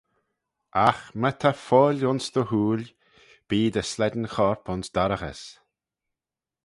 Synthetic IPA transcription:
ʔaxmət̪ʰafɔːlʲʊnsd̪̥əhuːl | b̥iːd̪əslɛd̪n̩xɔɹpʊnsd̪̥aɾəɣə̰s

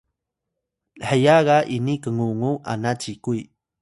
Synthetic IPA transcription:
ħəjaɣaʔinikəŋuŋuʔa̰nat͡ʃikui

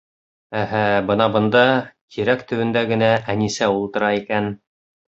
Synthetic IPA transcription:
æɦæbɤnɑbɤ̆nd̪ɑkʰiɾækt̪ɵ̆wɘ̆nd̪æɡɘ̆næʔænisæulˠt̪ɤ̆ɾɑikæn

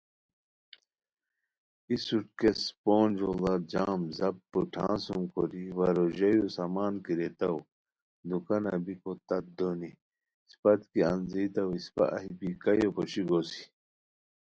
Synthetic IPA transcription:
isuʈkespoːnd͡ʑolad͡ʑaːmzɐp̚puʈʰã̰ːnsumkoɾiwɐɾoʑɐjusamaːnkiɾet̪ɐw | d̪ukɐnɐbikot̪ɐt̪̚d̪oni | spɐt̪kiɐ̰nzit̪ɐwispɐ̰ʔɐ̰ɦipikɐjopoɕiɡosi̥

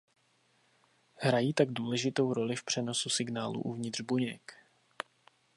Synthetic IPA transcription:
ɦɾajiːt̪aɡduːlɛʒɪt̪o̞wɾo̞lɪfpr̥ɛno̞susɪɡnaːlṵʔuvɲɪd̪r̝̥buɲɛk

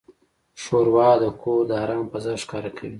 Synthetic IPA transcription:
ʃoɾwɑd̪əkod̪əaɾaŋpəzaɾʃkɑɾakʰawi

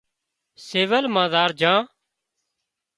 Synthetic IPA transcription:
seːʋəlmãːd̪aːɾd͡ʒãː

